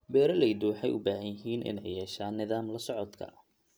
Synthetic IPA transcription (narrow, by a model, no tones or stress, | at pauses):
bɛːɾɐlɛjd̪ʊwɑħɑ̰jʔʊ̰baːɦɐnjɪɦiːnʔɪ̰nɛjːɛːʃaːnːɪðaːmlɐsɔʕɔd̪kʰɐ̰